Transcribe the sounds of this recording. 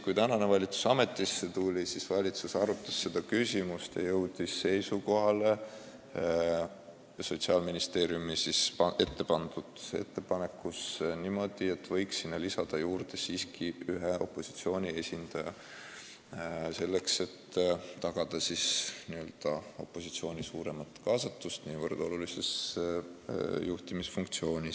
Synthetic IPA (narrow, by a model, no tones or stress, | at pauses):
kujt̪ænɑne̞vɑlʲit̪su̥sɑme̞t̪ːˑisːe̞t̪ulʲisisvɑlʲit̪susɑɾut̪ːˑɑsːe̞d̪̥ɑkysʲimust̪jḛjɤwd̪̥isːe̞jsuko̞ɦɑle̞ | so̞t̪siɑlminist̪e̞ːɾjumisisɑe̞t̪ːe̞pɑnd̪̥ud̪̥e̞̰t̪ːe̞pɑne̞kːˑusnimo̞d̪̥ie̞t̪ːˑvɤ̞jksːinːɑlisɑd̪̥ɑjuːɾd̪̥e̞siːskʰiyɦeʔo̞̰pːo̞si̥t̪sio̞ːnʲie̞sʲind̪̥ɑjɑ | se̞lːe̞kse̞t̪ːt̪ːɑɡ̥ɑd̪̥ɑsiːsniø̞ld̪̥ɑo̞pːo̞sit̪sio̞ːnʲisuːɾe̞mɑt̪kɑːsɑt̪ːust̪niːvərd̪̥o̞lulise̞s | juht̪imisfuŋkt̪sio̞ːnʲis